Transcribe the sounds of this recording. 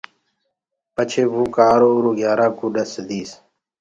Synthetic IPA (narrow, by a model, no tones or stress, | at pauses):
pət͡ʃʰeːʋuːkaːɾoːɾoːɡjaːɾaːkuɗəsd̪iːs